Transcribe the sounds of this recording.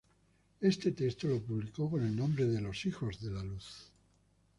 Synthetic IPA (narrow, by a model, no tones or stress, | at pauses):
e̞st̪e̞t̪est̪olo̞puβliko̞ko̞ne̞lnõmbɾe̞ðe̞lo̞sixo̞zðe̞laluθ